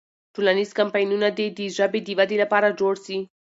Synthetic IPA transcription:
ʈulaniskampajnunad̪ed̪iʐabed̪ivad̪ilapaɾad͡ʒoɽsi

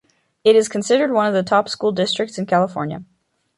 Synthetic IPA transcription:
ɨɾɨz̥kʰn̩sɪɾə˞d̚wʌ̃nʌvðɨtʰɑpskulˠdɪstɹ̥ɨk̚tsɨ̃n̩kʰælˠəfɔɹnjə̰

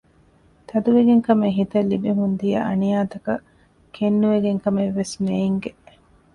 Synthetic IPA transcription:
t̪ɐd̪uʋeɡeŋkɐmeɦit̪ɐlːibeɦund̪ijɐʔɐ̰nijaːt̪ɐkɐ | kʰenːuʋeɡeŋkɐmeʋːesmeːŋɡe

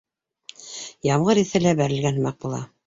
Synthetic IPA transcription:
jɑmʁɤɾiθælæbæɾɘ̆lɡænhmɑq̚bulˠɑ̰

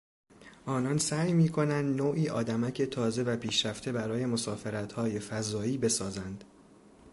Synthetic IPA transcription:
ʔɒːnɒnsæːjmiːkʰo̞nænd̪noːʔiːʔɒːd̪æmæcʰet̪ʰɒːze̞væpʰiːʃɾæft̪ʰe̞bæɾɒːje̞mo̞sɒːfe̞ɾæt̪hɒːje̞fæzɒːiːbe̞sɒːzænd̪̥

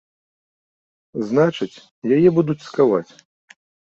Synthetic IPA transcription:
znat͡ʂɨt͡sʲ | jajɛbud̪ut͡sʲskava̰t͡sʲ

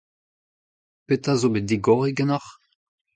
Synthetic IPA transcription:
pet̪azobed̪iɡɔʁiɡənɔχ

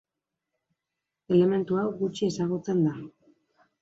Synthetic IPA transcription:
e̞le̞me̞nt̪uawɣut͡ʃie̞saɣut͡se̞nd̪a

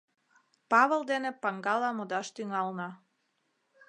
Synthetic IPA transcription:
pɑβəlˠd̪enepɑŋɡɑlɑmod̪ɑʃt̪yŋɑlˠnɑ

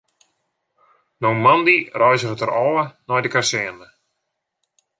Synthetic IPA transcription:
nowmɔndirɔjzəχətəɾɔwənɔjdəkarsɛənə

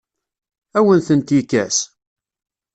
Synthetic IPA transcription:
æwənθənt̪jikːæs

